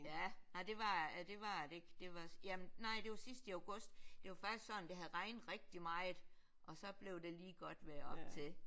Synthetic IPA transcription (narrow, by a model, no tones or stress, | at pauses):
jænɑɪ̰d̥e̝ʋɑ̈æd̥e̝ʋɑ̈deɡ̥d̥e̝ʋɑ̈sjæmnnɑ̈ɪ̰d̥e̝ʋɑ̈sisd̥əɑʊɡ̥ɔ̽sd̥d̥e̝ʋɑ̈fɑ̈ɡ̥isɡ̥sɒ̽nn̩d̥eɦæðˠʁɑ̈ɪnd̥̩ˠʁɛɡ̥̚d̥imɑ̈ɪð̩ˠ | ʔɒ̽sɒ̽b̥le̝ʊd̥e̝liːɡ̥ɒ̽d̥ʋeɐɒ̽b̥̚t͡sʰe̝